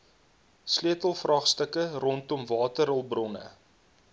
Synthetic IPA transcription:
sliətəlˠfrɑχstəkərɔntɔmvɑːtəɾəlˠbrɔnə̰

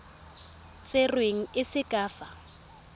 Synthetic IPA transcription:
t͡sʼerweŋ̩ɪsɪkʼaːfa

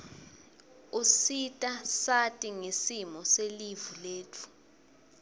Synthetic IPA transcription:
usitʼasatʼiŋesimɔselivuleːtʰu̥

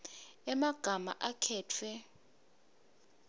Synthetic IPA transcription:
ɛmaɡ̥ʱama̰ʔakʰɛːtʰwɛ

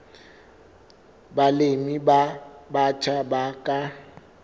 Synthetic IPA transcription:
balemibabat͡ʃʰabakʼa

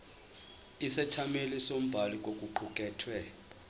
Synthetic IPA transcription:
isɛt͡ʃʰamelisom̩bʱalikʼokʼuǃʰukʼɛːtʰwɛ

